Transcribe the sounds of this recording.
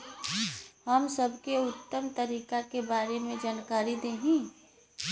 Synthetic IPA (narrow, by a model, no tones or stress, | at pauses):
ɦəmsəbʱkeʊt̪ːəmt̪əɾiːkakebaːɾemẽd͡ʒaːnkaːɾid̪eːɦĩ